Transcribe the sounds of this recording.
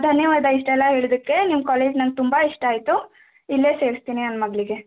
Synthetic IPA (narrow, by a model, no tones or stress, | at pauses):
d̪ʱɐnjɐʋaːd̪aiʂʈɛlːaɦeːɭid̪ɐkːe̞nimːkaːleːd͡ʒnɐnɡ̚t̪umbaiʂʈaːjt̪u | ilːeːse̞ːɾist̪iːniɐnmɐɡɭiɡe̞